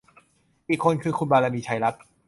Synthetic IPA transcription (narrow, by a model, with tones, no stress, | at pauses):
ʔiː˨˩kʰːo˧nkʰɯː˧kʰu˧nbaː˧laː˧miː˧˩t͡ɕʰa˧jɾa˦˥p̪̚